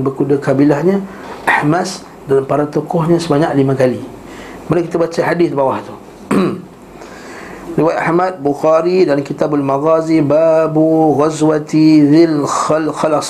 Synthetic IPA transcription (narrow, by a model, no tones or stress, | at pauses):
bəkudakabilahɲə | ʔahmas | dalampaɾat̪ɔkɔhɲə̃səbaɲaʔlimãkali | malakit̪abat͡ʃahadiθbawaht̪u | riwajat̪ʔahmad̪̚buxaɾidalamkit̪abalmaɣazibabuɣazwat̪iðilalxalɑs